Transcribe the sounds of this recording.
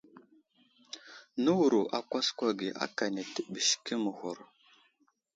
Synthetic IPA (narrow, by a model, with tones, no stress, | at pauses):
nə˦wu˨ɾu˨ʔa˨kʷa˦skʷa˦ɡi˨ʔa̰˦ka˨ne˨tə˦bə˨ʃkə˦mə˨hu˨ɾ